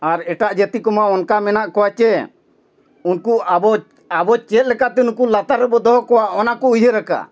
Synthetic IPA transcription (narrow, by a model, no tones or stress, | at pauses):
aɾɛʈaʔd͡ʒet̪ikɔmaɔnkamɛnaʔkɔwat͡ʃɛ | unkubɔ | abɔt͡ʃɛt̪̚lɛkaʔt̪ɛunkulat̪aɾːɛbɔd̪ɔɦɔkɔwaʔɔnakɔujɦəɾaka̰